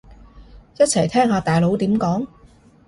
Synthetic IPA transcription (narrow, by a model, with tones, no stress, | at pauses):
jɐ˥t̚t͡sʰɐ˨˩jt̪ʰɛː˥ŋhaː˨˧t̪aː˨˩jlo˨˥wt̪iː˨˥mkɔː˨˥ŋ